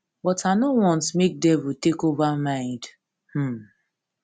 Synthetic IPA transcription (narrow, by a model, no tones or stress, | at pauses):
bɔtʰanowɔ̃ntmek̚dɛvutekovamãɪ̃nd | h̩